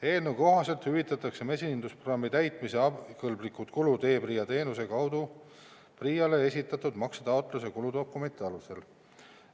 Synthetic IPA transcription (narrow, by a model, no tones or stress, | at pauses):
e̞ːlnuko̞ɦɑse̞lt̪hyvit̪ːˑɑt̪ːˑɑkse̞me̞siind̪uspro̥ɑmːit̪æjt̪ˑmise̞ɑkɤlblikːˑut̪kulud̪e̞ːpriːjɑt̪e̞ːnuse̞kɑwd̪u | priːjɑle̞esʲit̪ːˑɑt̪ud̪̥mɑksɑt̪ɑot̪ˑlus̬e̞kulud̪o̞kːˑume̞nʲt̪iɑluse̞l